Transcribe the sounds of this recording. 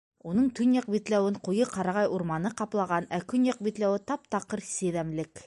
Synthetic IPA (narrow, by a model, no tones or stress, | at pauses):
unɤɴt̪ɵnjɑq̚bit̪læwɘɴqujɤqɑɾɑʁɑjuɾmɑnɤqɑplˠɑʁɑnækɵnjɑq̚bit̪læwɘt̪ɑpt̪ɑqːɤɾsɘ̆ðæmlɘk